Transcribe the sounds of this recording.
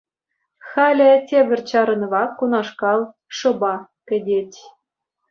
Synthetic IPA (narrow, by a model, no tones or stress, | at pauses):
xɑlʲɘ̆tʲeβʲɘ̆rt͡ɕɑɾɤ̆nβɑkːunɑʃkɑlˠ | ʃɤ̆bɑkɘ̆dʲetʲ